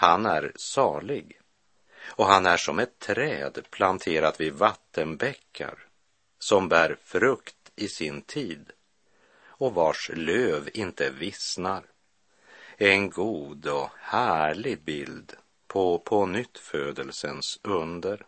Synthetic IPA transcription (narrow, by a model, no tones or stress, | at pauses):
hanæɾsɑːɭɪɡ | ɔɦanæʂɔmɛt̪ʰːɾɛːd̪pʰlant̪ʰeːɾat̪vɪvat̪ʰːənbɛkʰːa̰ɾ | sɔmbæːɾfɾɵkt̪ɪsɪnt̪ʰiːd̪ | ɔvaʂløːvɪnt̪əvɪsnaɾ | ɛnɡuːd̪ɔhæːɭɪɡbɪld̪ | pʰɔpʰɔnʏt̪ːføːd̪əlsənsɵnd̪əɾ